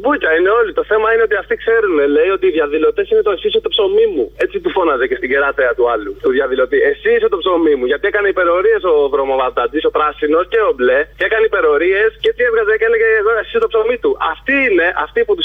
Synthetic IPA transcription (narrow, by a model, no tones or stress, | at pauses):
bucɐine̞o̞lit̪o̞θe̞mɐine̞o̞t̪iɐft̪ikse̞ɾune̞le̞io̞t̪iːðʝɐðilo̞t̪e̞sinet̪o̞esisot̪opso̞mimue̞t͡sit̪ufo̞nɐzece̞st̪iɟeɾɐt̪eɐt̪uɐlut̪uðʝɐðilo̞t̪iesiset̪opso̞mimuʝɐt̪iekɐneipe̞ɾo̞ɾie̞so̞ðɾo̞movɐd̪ɐt̪iso̞pɾɐsino̞sce̞oble̞cekɐnipe̞ɾo̞ɾie̞sceet͡sievɣɐzeceleɣeːɣoesist̪opso̞mit̪uʔɐft̪iiːne̞ʔɐft̪iput̪u